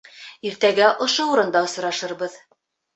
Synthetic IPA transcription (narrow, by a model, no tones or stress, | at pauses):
iɾt̪æɡæʔŏʃouɾɤ̆nd̪ɑŏs̆ɾɑʃɤ̆ɾbɤð